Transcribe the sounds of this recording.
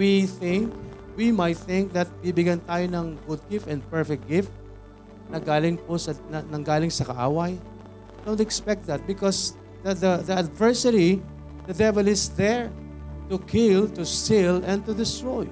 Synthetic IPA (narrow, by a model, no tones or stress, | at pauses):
wiθɪ̃ŋk̚ | wimajt̪̚θɪ̃ŋk̚d̪ɐt̪̚wibɪɡant̪aːjonɐŋɡʊd̪̚ɡɪft̪ɛ̃nd̪̚pɛɹfɛk̚ɡ̥ɪft̪̚ | nɐɡaːlɪŋposɐnɐnɐŋɡaːlɪŋsɐkɐʔa̰ːwɐj | d̪̥õw̃nt̪ɛkspɛk̚t̪̚d̪ɐt̪̚bɪkɔs | d̪ɐd̪ɐd̪ɐɐd̪vɛɹsɐɾi | d̪ɐd̪ɛvɛlɪsd̪ɛɹt̪ukʰɪlt̪ʊst̪ɪlɛ̃n̚t̪ʊd̪ɪst̪ɹɔj